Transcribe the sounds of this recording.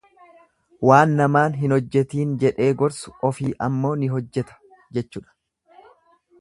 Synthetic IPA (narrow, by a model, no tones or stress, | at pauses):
waːnːɐmaːnɦɪnɔd͡ʒːɛt̪iːnd͡ʒɛᶑe̞ːɡɔɾsʊ̥ɔfiːʔɐ̰mːo̞ːnɪɦɔd͡ʒːɛt̪ɐ̥ | d͡ʒɛt͡ʃːuːᶑɐ̥